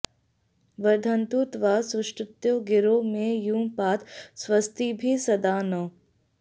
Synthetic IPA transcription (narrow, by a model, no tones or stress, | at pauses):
ʋɐɾd̪ʱənt̪ut̪ʋasʊʃʈɾʊt̪joɡɪɾoːmẽjũːpaːt̪sʋɐst̪ibʱisɐd̪aːno